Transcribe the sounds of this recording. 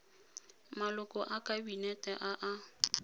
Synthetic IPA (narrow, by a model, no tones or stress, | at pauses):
malʊkʼɔʔakʼabinɛtʼɛʔaʔa